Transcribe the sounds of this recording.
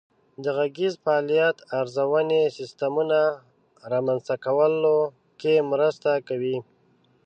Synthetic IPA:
d̪əɣaɡizfaːlijat̪aɾzawənesɪst̪amuna | ɾɑmanzt̪akawəlo | kemɾəst̪akawi

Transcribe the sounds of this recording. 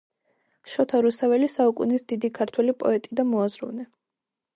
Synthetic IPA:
ʃɔt̪ʰaɾusʰavɛlisaukʼṵnisd̪id̪ikʰaɾt̪ʰwɛlipʼɔ̰ɛt̪ʼid̪amɔazɾṵvnɛ

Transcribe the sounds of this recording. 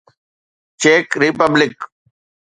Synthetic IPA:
t͡ʃeːkɾɪpəblɪk

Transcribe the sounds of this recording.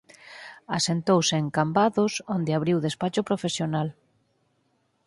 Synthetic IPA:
asent̪owseːŋkambaðosond̪eaβɾiwðespat͡ʃʊpɾofesjonal

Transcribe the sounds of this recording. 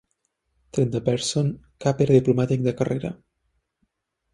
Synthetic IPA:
t̪ɾɛnt̪əpɛɾson | kapeɾəðiplumat̪ik̚d̪əkəreɾə̰

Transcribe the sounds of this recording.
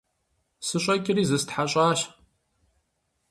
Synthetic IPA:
sɨʃʷʼakʲʼɪrizɨstħaɕʷʼaʃ

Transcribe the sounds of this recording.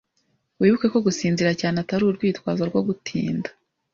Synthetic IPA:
wiːβukeko̞ɡusiːnziɾacaːneataɾuːɾɡwiːtwaːzoɾɡwo̞ɡutʰḭːndḁ

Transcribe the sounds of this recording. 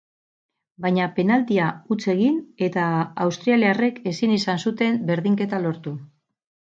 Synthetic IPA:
bajɲape̞nald̪iaut͡se̞ɣine̞t̪aːwst̪ɾialeare̞ke̞sinisansut̪e̞mbe̞ɾðiŋke̞t̪alo̞ɾt̪u

